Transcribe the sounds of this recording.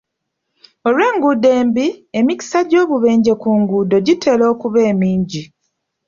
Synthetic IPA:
olweːŋɡude̞ːmbiemici̥saɟo̞ːβuβe̞ːɲɟe̞kuːŋɡudo̞ɟitʰe̞ːlo̞ːkuβe̞ːmiːɲɟi

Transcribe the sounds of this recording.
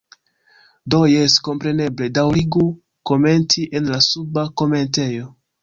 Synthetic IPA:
do̞jesko̞mpɾe̞ne̞ble̞dawɾiɡu | ko̞me̞ntiʔenlasubako̞me̞nte̞jo̞

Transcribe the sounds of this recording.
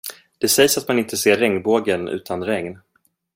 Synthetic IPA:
d̪̥ɛsɛjsat̪manɪnt̪əseːɾɛŋnboːɡənʉ̟̰ːt̪ʰanɾɛŋn

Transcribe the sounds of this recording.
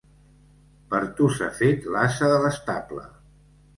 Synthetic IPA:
pəɾt̪usafet̪lasəðələst̪aplə̰

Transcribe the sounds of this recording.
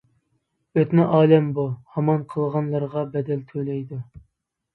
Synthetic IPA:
øt̪nɪʔɑːlɛmbuhɑmɑnqʰəlˠʁɑnlˠɑɾʁɑbɛd̪ɛlt̪ʰølɛjd̪u

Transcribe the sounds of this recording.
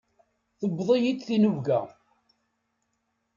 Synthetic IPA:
θəbːðˤijid̪θinuvɡæ

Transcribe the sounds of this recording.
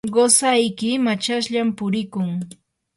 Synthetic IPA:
ɢosajkɪmat͡ʃaʃʎampʊɾɪkʊŋ

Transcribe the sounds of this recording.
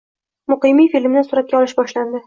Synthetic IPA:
mʊqɨmijfilʲmnɪsʊɾat̪̚ɡʲaɒlɪʃbɒʃland̪ɪ

